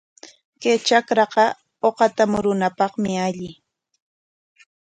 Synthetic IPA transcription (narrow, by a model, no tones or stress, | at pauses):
kejt͡ʃakɾɑqɑ | oqɑt̪amʊɾʊnapɑχmɪaʎɪ